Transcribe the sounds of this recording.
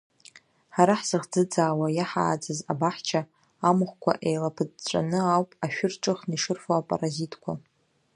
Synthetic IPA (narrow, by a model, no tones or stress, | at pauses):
ħaɾaħz̥ɨʁd͡zɨd͡zaːwajaħa̰ːd͡zaza̰baħt͡ʃʰaː | mɨχkʷʰa̰ʔejlapʰɨdt͡ʃʷʼa̰nɨawpʼaʃᶣʊrʈ͡ʂʼɨχniʂɨrfaapʼa̰razitʰʼkʷʰa